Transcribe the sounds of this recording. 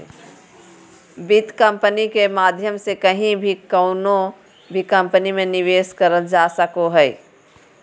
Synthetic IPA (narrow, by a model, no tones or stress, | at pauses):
bit̪kəmpənikemad̪ʱjəmsekəɦĩbʱikəʊno | bʱikə̃mpənimeniʋeskəɾəld͡ʒasəkoɦəj